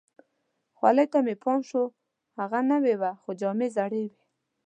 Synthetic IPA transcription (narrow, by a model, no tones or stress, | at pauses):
xwa̰ləjt̪amepʰɔnʃo | haɣanawewaxod͡ʒɔmezaɽewe